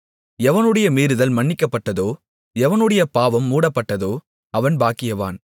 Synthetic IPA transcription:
ɛʋɐnɯɽɐjɐmeːɾɯðɐlmɐɳːɪkːɐpːɐʈːɐðoː | ɛʋɐnɯɽɐjɐpaːʋɐmːuːɽɐpːɐʈːɐðoː | ɐʋɐnbaːkːɪjɐʋa̰ːn

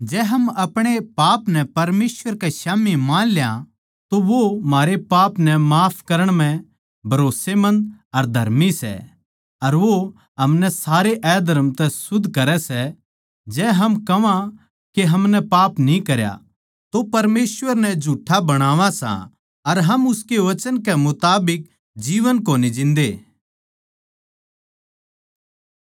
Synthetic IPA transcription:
d͡ʒɛːɦɐmɐpɽ̃epaːpnɛpɐɾmeːsʋəɾkɛʃaːmimãːnljã | t̪oʋomaːɾepaːpnɛmaːpʰkɐɾəɽ̃m̤ɛ̃ | bʱɐɾoːsemɐ̃nd̪ɐɾd̪ʱɐ̰ɾmisɛ̰ | ɐɾʋo | ɦɐmnɛsaːɾeʔɛːd̪ʱɐɾəmt̪ɛsʊd̪ʱːkɐɾɛsɛ | d͡ʒɛːɦɐmkɐʋã | keɦɐmnɛpaːpnĩkɐɾja̰ | t̪opɐɾmeːsʋəɾnɛd͡ʒʱuːʈʰːabɐɽ̃aːʋãsã̰ | ɐɾɦɐmʊskeʋɐt͡ʃənkɛmʊt̪aːbɪk̚ | d͡ʒiːʋənkoːnid͡ʒɪ̃nd̪eː

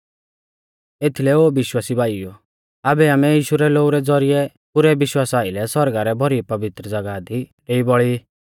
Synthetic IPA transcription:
et̪ʰilɛoːbɪʃwaːsibaːiɔ | aːbɛaːmɛjiːʃuɾɛloːɡuɾɛd͡zɔɾɪjɛ | pʊɾɛbɪʃwaːsaːɪlɛsɔɾɡaɾɛbʱɔɾipɐbɪt̪ɾəd͡zɐɡad̪iɾeibɔɭi

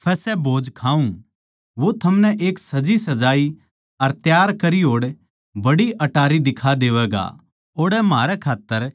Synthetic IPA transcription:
pʰɛːsɛbʱoːd͡ʒkʰaːũ | ʋot̪ʰɐmnɛʔeːksɐd͡ʒisɐd͡ʒaːi | ɐɾt̪jaːɾkɐɾiɦoːɽ | bɐɽiʔɐʈaːɾid̪ɪkʰad̪eːʋɛːɡa̰ | oːɽɛmɦaːɾɛkʰaːt̪ːəɾ

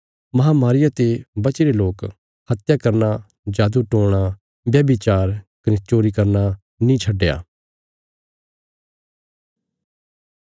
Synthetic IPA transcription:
mɐɦãːmaːɾɪjat̪ebɐt͡ʃiɾeloːk | hɐt̪jakɐɾna | d͡ʒaːd̪uʈõːɽ̃a | bjɐbit͡ʃaːɾkɐnit͡ʃoːɾikɐɾna | nĩt͡ʃʰɐɖːja̰ː

